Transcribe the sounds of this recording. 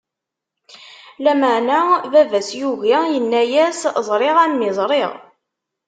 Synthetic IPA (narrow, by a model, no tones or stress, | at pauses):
læməʕnævævæsjuʝajənːæjæszˤɾˤeʁænmɪzˤɾˤeʁ